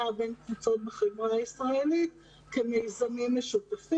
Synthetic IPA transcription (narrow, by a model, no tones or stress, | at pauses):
abenkvut͡sot̪̚beχemonaisʁaelit̪ | kemejzamimːeʃut̪afi